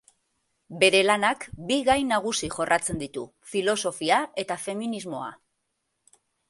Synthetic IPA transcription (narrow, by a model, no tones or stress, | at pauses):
be̞ɾe̞lanakbiɣajnaɣ̞usiʝo̞rʔat͡se̞nd̪it̪ṵ | filo̞so̞fiae̞t̪afe̞minizmo̞a̰